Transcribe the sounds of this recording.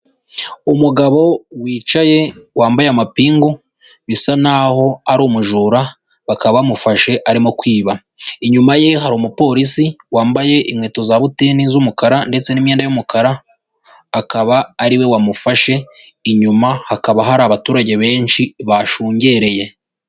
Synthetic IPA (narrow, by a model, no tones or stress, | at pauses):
umuɡaβo̞wiːt͡ʃaje̞waːmbajamapiːŋɡo | βisanaho̞aɾuːmuʒuɾa | βakaβaamufaʃe̞ʔaɾimo̞kwiːβa | iɲumaje̞ɦaɾomupo̞ːɾisiwaːmbaje̞ʔimŋeːto̞zaβutiːnizumukaɾande̞t͡se̞nimɲeːndajumukʰaɾaː | kaβaːɾiwe̞wamufaʃe̞ | iɲumahakaβaɦaɾaβatuːɾaɟe̞βe̞ːnʃiβaʃuːɲɟe̞ɾe̞je̞